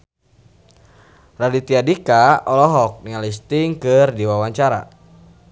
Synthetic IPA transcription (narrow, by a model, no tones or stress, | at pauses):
radit̪iadikaɔlɔɦɔk̚niŋalist̪iŋkɨrdiwawaɲt͡ʃaɾa̰